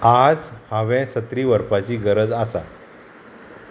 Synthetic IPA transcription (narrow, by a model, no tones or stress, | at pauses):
ad͡zhãʋɛ̃sət̪ɾiːʋəɾpat͡ɕiːɡəɾəd͡zasa̰